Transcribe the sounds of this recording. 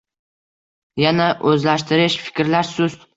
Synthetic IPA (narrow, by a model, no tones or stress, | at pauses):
janaʔɵzlaʃt̪ʰɪɾɪʃfɪ̥kʲɾlaɾsʊz